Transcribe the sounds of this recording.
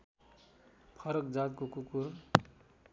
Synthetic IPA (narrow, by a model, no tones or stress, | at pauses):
pʰʌɾʌkd͡zat̪kokukur